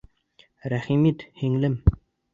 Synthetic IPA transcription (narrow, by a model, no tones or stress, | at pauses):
ɾæχimit̪hiŋlɘm